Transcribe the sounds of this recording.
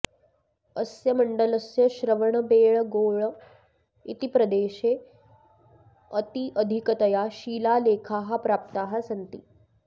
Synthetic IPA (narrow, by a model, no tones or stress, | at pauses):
əsjəməɳɖələsjəɕɾəʋəɳ̃əbeːɭɡoːɭ | it̪ipɾəd̪eːɕe | ət̪iʔəd̪ʱikət̪əjaɕiːlaleːkʰaɦapɾap̚t̪aɦasənt̪ḭː